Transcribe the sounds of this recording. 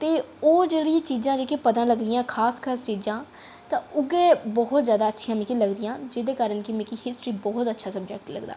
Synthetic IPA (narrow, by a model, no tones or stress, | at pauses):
t̪eː | oːd͡ʒeːɽijãːt͡ʃiːzãːd͡ʒeːkipəd̪ãːləɡd̪ɪjãːkʰaːskʰaːst͡ʃiːzãː | t̪ãːʊɡeːbɔɦʊt̪zjaːd̪aːətːʃʰijãːmĩːkiləɡd̪ɪjãːd͡ʒɪːd̪eːkaːɾənkimẽːkihɪsʈɾiːbɔːɦʊt̪ətːʃʰaːsəb̚d͡ʒɛːk̚ʈlə̰ɡd̪a̰ː